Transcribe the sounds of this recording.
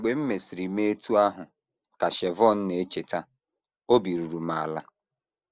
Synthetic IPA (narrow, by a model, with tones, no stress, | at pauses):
ɡ͡be˨m̩˦me˨si˨ɾi˨me˦tu˦a˦ɦʊ˨ | ka˨ʃɛ˨vɔ˦˨n̩˦ne˨e˦t͡ʃe˨ta˦ | o˦bi˨ɾu˨ɾu˨ma˨a˨la˦